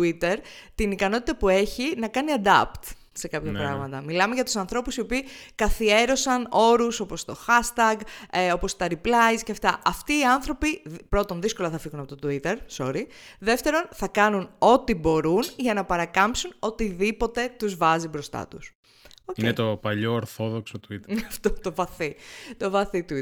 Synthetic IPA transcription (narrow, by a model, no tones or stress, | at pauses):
uit̪e̞ɾt̪inikɐno̞t̪i̥t̪ɐpue̞çinɐkɐniɐd̪ɐ̰pt̪ | se̞kɐpçɐpɾɐ̰ɣmɐt̪ɐmilɐme̞ʝɐt̪u̥sɐnθɾo̞pusiopiːkɐθie̞ɾo̞sɐno̞ɾuso̞po̞st̪o̞xɐst̪ɐɡeo̞po̞st̪ɐɾiplɐizceɐft̪ɐʔɐft̪iːɐnθɾo̞pipɾo̞t̪o̞nðisko̞lɐθɐfiɣunɐpo̞t̪ot̪uit̪e̞ɾso̞̰ɾi | ðe̞ft̪e̞ɾo̞nθɐkɐnuno̞t̪ibo̞ɾunʝɐnɐpɐɾɐkɐmpsuno̞t̪iðipo̞t̪e̞t̪uzvɐzibɾo̞st̪ɐ̰t̪us | ocienet̪opɐʎo̞ːɾθo̞ðoksot̪uit̪ft̪ot̪o̞vɐθit̪o̞vɐθit̪u